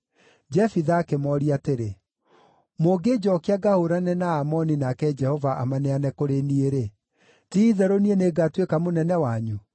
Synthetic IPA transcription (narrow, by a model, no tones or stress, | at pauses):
d͡ʒɛfiðaːkemɔɾiateɾe | moːɡed͡ʒɔkeaɡahoɾanɛnaːmɔninakɛd͡ʒɛhɔvaʔamaneanɛkoɾenieɾe | tiːðɛɾonieneɡatwekamonɛnɛwaɲu